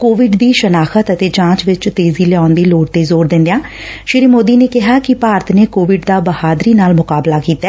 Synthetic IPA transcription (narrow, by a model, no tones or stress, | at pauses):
koːʋɪɖd̪iːʃənaːxʰət̪ət̪eːd͡ʒãːt͡ʃʋɪt͡ʃt̪eːziːlɛãːnd̪iːloːɖt̪eːzoːɾd̪ɪ̃nd̪ejãː | ʃɪɾiːmoːd̪iːneːkɪɦaːkɪpaːɾət̪neːkoːʋɪɖd̪aːbəhaːd̪ɾiːnaːlmʊkaːblaːkiːt̪ːaɛː